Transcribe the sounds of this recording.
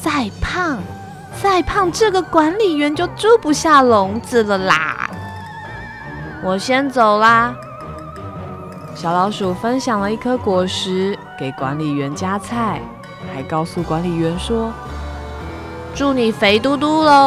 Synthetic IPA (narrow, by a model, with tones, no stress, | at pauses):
t͡sa˥˧ɪpʰɑ˥˩ŋ | t͡sa˥˩ɪpʰɑ˥˧ŋʈ͡ʂɤ˥˩ɡə˨˩kwa˧˥nli˨˩ɥɛ˧˥nt͡ɕjo˥˩ʊʈ͡ʂu˥˩pu˧˥ɕja˥˩lʊ˧˥ŋt͡sɹ̩˨lə˨la̰˨˩˦ | wɔ˨˩ɕjɛ˥nt͡so˨˩ʊlə˨ | ɕjɑ˨˩ʊlɑ˧˥ʊʂu˨˩fə˦˥nɕjɑ˨˩ŋlə˦i˥˩kʰɤ˦kwɔ˨˩ʂɻ̩˧˥ke˨˩ɪkwa̰˧˥nli˨˩ɥɛ˧˥nt͡ɕja˥t͡sʰa˥˩ɪ | xa˧˥ɪkɑ˥˧ʊsu˥˩kwa˧˦nli˨˩ɥɛ˧˥nʂwɔ˥ | ʈ͡ʂu˥˩ni˨˩fe˧˥ɪt̪u˥˧t̪u˥lə˨˩